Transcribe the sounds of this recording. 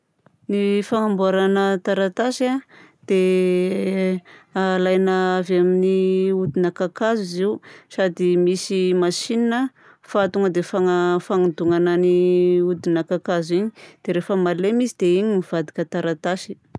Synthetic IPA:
nifaŋambuaɾanət̪aɾat̪aʃad̪̥e | alajnaavaminiud̪inakakaziziusad̪imisimaʃininə | fat̪uŋəd̪efaŋafaŋad̪uŋanəniud̪inakakaziɲid̪̥eɾefəmalemisid̪̥eiɲimiv̥ad̪ikʲət̪aɾat̪aʃi̥

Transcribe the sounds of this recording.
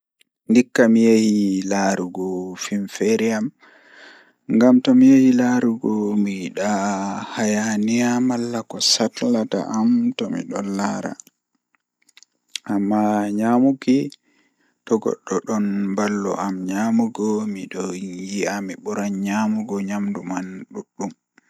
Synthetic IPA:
ndikːamijehilaɾuɡɔfinfeɾiam | ŋɡamtɔmijehilaɾuɡɔmiɗahajaniamalːakɔsatlata̰ʔamtɔmḭɗɔnːaɾa̰ | ʔamːaɲamuɡi | tɔɡɔ̰ɗːɔɗɔnbalːɔ̰ʔamɲamuɡɔmiɗɔjiamiɓɔɾaɲɲamuɡɔɲamdumanɗuɗːum

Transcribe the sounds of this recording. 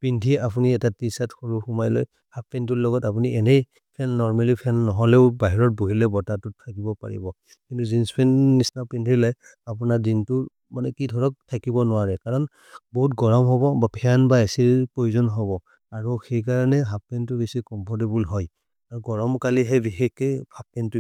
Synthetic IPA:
pintʰiapuniɛtatisatxoɹuxumajlɔ̰j | happɛnt̬ulɔɡɔtapuniʔɛnej | pʰɛnːɔɹmalipʰɛnːɔɦɔlɛʊbaɦiɹɔt̚buɦilɛbɔtatutʰakibɔpa̰ɹḭbɔ | kintuzinspʰɛnːisnapintʰilaj | apunadintʊ | manɛkidʱɔɹɔk̚tʰakibɔnʊwaɹɛkaɹɔn | bɔɦutɡɔɹɔmɦɔbɔbapʰanbaesipɹojuzɔnɦɔbɔ | aɹuxejkaɹanɛɦap̚pɛntʊbesikɔmpʰɔɹtibulɦɔj | aɹuɡɔɹɔmkaliɦɛbixekːɔjpʰap̚ːɛntu

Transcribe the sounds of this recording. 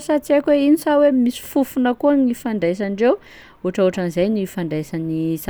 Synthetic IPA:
sat͡siakʲweinisawemisi̥fufunəkuanifaɳdajs̬aɳɖ͡ʐew | uʈ͡ʂoʈ͡ʂanizajnifaɳdajsanisa

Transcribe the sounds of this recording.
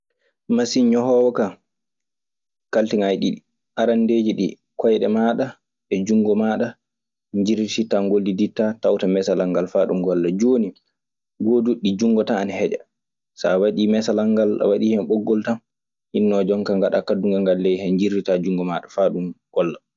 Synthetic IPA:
masiɲɔhɔːwɔka | kaltiŋajɗiɗi | ʔaɾandeːd͡ʒiɗḭ | kɔjɗɛmaɗa | ɛd͡ʒuŋɡɔmaɗa | ɲd͡ʒiɾititaŋɡolːiditːatawtamɛsalaŋɡalfaɗumɡɔlːad͡ʒoːni | ɡoduɗid͡ʒuŋɡɔtaːnhɛd͡ʒa̰ | sa̰waɗimɛsalaŋɡala̰waɗiːhɛmɓɔɡːɔltam | hinːɔd͡ʒɔŋkaŋɡaɗakaduŋɡaŋɡalːɛjhɛɲd͡ʒiɾitad͡ʒuŋɡɔmaɗafaɗumɡ̥ɔlːa

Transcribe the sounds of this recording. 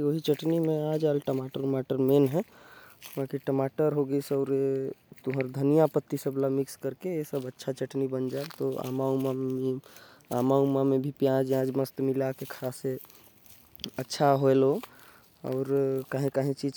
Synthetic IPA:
ioɦit͡ʃəʈnimẽad͡ʒalʈəmaʈəɾmaʈəɾmenɦɛ̃ | ʋãkiʈəmaʈəɾɦoɡəisəʊɾet̪uɦəɾd̪ʱənijapət̪ːisəblamikskəɾkeesəbətːʃʰat͡ʃəʈnibənd͡ʒaelt̪oa̰mauma | a̰maumamebʱipjãd͡ʒãd͡ʒməst̪milakekʰase | ətːʃʰaɦoelo | ɔ̰ʊɾkaɦĩkaɦĩt͡ʃid͡ʒ

